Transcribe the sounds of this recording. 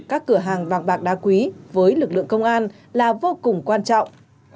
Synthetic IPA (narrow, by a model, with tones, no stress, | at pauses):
kaː˦˥kːɨ˧˩əɦaː˨˩ŋɓaː˨˩k̚ɓaː˨˩k̚ɗaː˨˦kwi˨˦vəː˨˦jlɨ˨˩k̚lɨ̰˧˨əŋkə˧wŋ͡mʔaː˧n | laː˨˩vo˧kʊ˨˩ŋ͡mkwaː˧nt͡ɕɔ̰˧˨wŋ͡m